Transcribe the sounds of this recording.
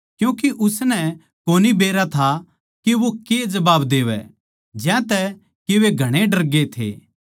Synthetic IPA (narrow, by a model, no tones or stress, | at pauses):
kjũːkiʔʊsnɛ | koːnibeːɾat̪ʰa | kiʋoked͡ʒɐbaːbd̪eːʋɛ̰ | d͡ʒɛ̃t̪ɛ | keʋeɡʱɐɽ̃eɖɐɾɡet̪ʰḛː